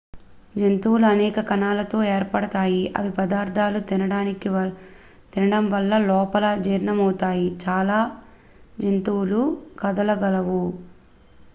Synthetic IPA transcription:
d͡ʒent̪uwluɐnɛːkɐkɐnaːlɐt̪o̞ːeːɾpɐɽɐt̪aːjiʔɐ̰ʋipɐd̪aːɾd̪ʱaːlut̪inɐɽaːniki | t̪inɐɽɐmʋɐlːɐlɔːpɐlɐd͡ʒiːɾnɐmɐwt̪aːjit͡ʃaːlaː | d͡ʒent̪uwlukɐd̪ɐlɐɡɐlɐʋu

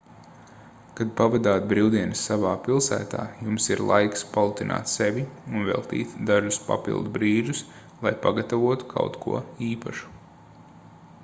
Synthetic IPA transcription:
kad̪̚pavad̪aːt̪̚bɾiwd̪iɛnɨsːavaːpilˠsæ̰ːt̪a̰ːjumsiɾlˠa̰jkspalˠut̪inʔa̰ːt̪sɛvʲiunvɛ̰lˠt̪ḭːt̪d̪aʒuspa̰pḭlˠd̪ubɾiːʒus | lˠajpaɡat̪avuɔt̪u̥kʰa̰wt̪kʰṵɔiːpaʃu̥

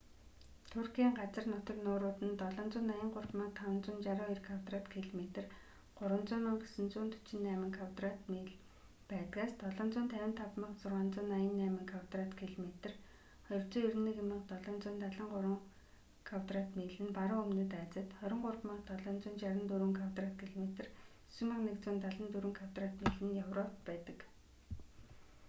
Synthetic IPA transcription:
t̪ʰʊrxiːŋɢat͡sə̆rnʊt̪ɞ̆knʊːɾʊːt̪ɘ̆nt̪ɔɮɞ̆ːnt͡sʊːnːajə̆ŋɢʊrpmə̆k̚t̪ʰawə̆nt͡sʊːnt͡ɕaɾʊːirkʰawt̪rat̪kʰiɮmet̪ə̆r | ɢ̥ʊɾwə̆nt͡sʊːnʊːkesɘ̆nt͡suːnt̪ʰʊ̥t͡ɕɪ̆nːæːmɘ̆ŋkʰawt̪rat̪miɮ | pæːt̪kaːst̪ɔɮɞ̆ːnt͡sʊːnt̪ʰæwʲɪ̆nt̪ʰapmə̆qt͡sʊrʁaːnt͡sʊːnːajə̆nːæːmɘ̆ŋkʰawt̪rat̪kʰiɮmet̪ɘ̆r | χɔjɞ̆rt͡sɔːiɾniːkemə̆qt̪ɔɮɔːnt͡sʊːnt̪aɮə̆ŋɢʊɾə̆ŋ | kʰawt̪rat̪meːɮɘ̆npaɾʊːɵmnɘ̆t̪æːt͡sə̆t̪χœɾʲɪ̆ɴɢʊrpmə̆qt̪ɔɮɔːnt͡sʊːnt͡ɕaɾə̆nt̪uɾuːŋkʰawt̪rat̪kʰiɮmet̪ɘ̆r | sumə̆qnekt͡sʊːnt̪aɮə̆nt̪uɾuːŋkʰaw̥t̪rat̪miɮɘ̆njawrɔt̪pæːt̪ə̆k

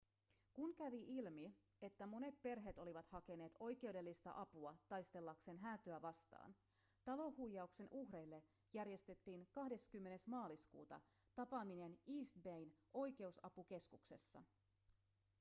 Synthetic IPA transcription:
kunkæʋiʔilmie̞t̪ːæmo̞ne̞t̪̚pe̞rɦe̞t̪o̞liʋɑt̪hɑke̞ne̞ːt̪o̞jke̞ude̞lːist̪ɑ̰ʔɑpuɑt̪ɑjst̪e̞lːɑkse̞nɦæːt̪øæʋɑst̪ɑ̰ːn | t̪ɑlo̞hːujːɑukse̞nʔuhrejlːe̞ | jærje̞st̪e̞t̪ːiːnkɑhde̞skymːe̞ne̞smɑːliskṵːt̪ɑ̰ | t̪ɑpɑmine̞niːst̪bejnʔo̞jk̟e̞usɑ̰puke̞skukse̞̰sːɑ̰

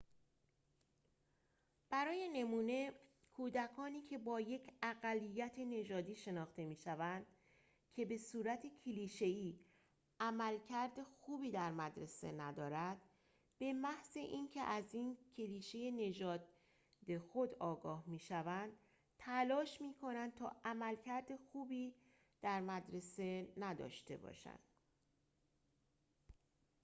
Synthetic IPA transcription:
b̥æɾɒːje̞ne̞muːne̞ | kʰuːd̪ækʰɒːniːcʰe̞bɒːje̞cʰæɣælːijːæt̪ʰe̞ne̞ʒɒːd̪iːʃe̞nɒːxt̪e̞miːʃævænd̪̥ | cʰe̞be̞suːɾæt̪ʰecʰeliːʃe̞iː | æmælcʰæɾd̪exuːbiːd̪æɾmæd̪ɾe̞se̞̰næd̪ɒːɾæd̪̥ | b̥e̞mæhzeʔiːncʰe̞ʔæziːncʰe̞liːʃe̞je̞ne̞ʒɒːd̪̚ | d̪e̞xo̞d̪ɒːɡɒːhmiːʃævænd̪̥ | t̪ʰælɒːʃmiːkʰo̞nænd̪̚t̪ʰɒ̰ːʔæmælcʰæɾd̪exuːbiː | d̪̥æɾmæd̪ɾe̞se̞næd̪ɒ̰ːʃt̪e̞̰bɒ̰ːʃæ̰nd̪̥

